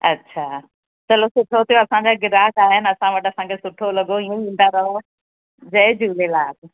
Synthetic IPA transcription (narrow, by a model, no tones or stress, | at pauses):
ɐ̰tːɕʰaː | t͡ɕɐlosʊʈʰot̪ʰijõɐsãɲd͡ʑaɡɪɾaːkaːɦɪnɪɐsãʋɐʈɐsãkʰesʊʈʰolɐɡoiũʋĩːnd̪aɾɐɦo | d͡ʑɐɪd͡ʑuːlelaːk